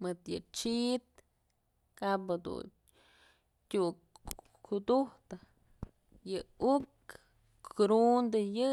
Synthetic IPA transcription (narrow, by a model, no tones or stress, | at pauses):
mɨt̪jɨt͡ʃit̪̚ | kaphad̪ṵ | tʲu | ud̪uht̪ɨ | jɨuk | ɾund̪ɨjɨ